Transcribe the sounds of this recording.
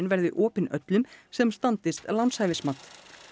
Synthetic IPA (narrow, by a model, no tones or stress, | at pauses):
nvɛɾðɪ̰ʔɔːpɪnœt̪lʏmsɛmst̪ant̪ɪst̪lawnshajvɪsmat̪